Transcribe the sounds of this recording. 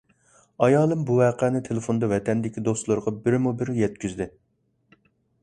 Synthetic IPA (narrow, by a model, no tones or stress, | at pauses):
ɑjɑːlˠɨmbuwɛːqʰɛnɪt̪ʰelˠefond̪ɑvɛt̪ɛnd̪ɪkʲid̪ost̪lˠɨɾʁɑbɪɾɪmubɪɾjɛt̪̚kʲyzd̪ɪ